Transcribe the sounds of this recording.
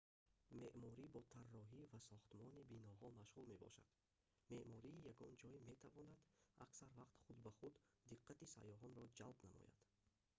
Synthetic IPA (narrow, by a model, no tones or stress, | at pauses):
me̞ʔmɔɾibɔt̪ʰarːɔɦivasɔχt̪mɔnibinɔɦɔmaʃʁulme̞bɔ̰ʃa̰d̪̥ | me̞ʔmɔɾiːjaɡɔnd͡ʒɔime̞t̪ʰavɔnad̪a̰ksaɾvaqt̪χud̪baχud̪ːiqːat̪isa̰jɔɦɔnɾɔd͡ʒalbnamɔ̰ja̰d̪̥